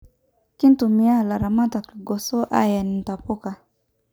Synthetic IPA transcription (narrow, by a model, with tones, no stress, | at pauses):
ki˦n̩˦tu˨mi˦a˦˨la˨ɾa˨ma˦ta˨ki˨ɡɔ˨sɔ˦ʔa̰˦ja˨ni˨n̩˨ta˨pu˦ka˨